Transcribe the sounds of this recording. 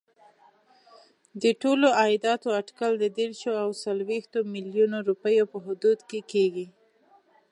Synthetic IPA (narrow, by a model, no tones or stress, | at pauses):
d̪əʈoload̪ɑt̪oaʈkald̪əd̪eɾʃoawsalwext̪omiljunoɾupəjopəɦʊd̪ud̪kekeɡi